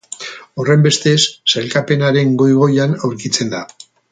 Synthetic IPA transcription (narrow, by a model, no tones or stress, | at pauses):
o̞re̞mbe̞st̪e̞sːelkape̞naɾe̞ŋɡo̞jɣ̞o̞janawɾkit͡se̞nd̪a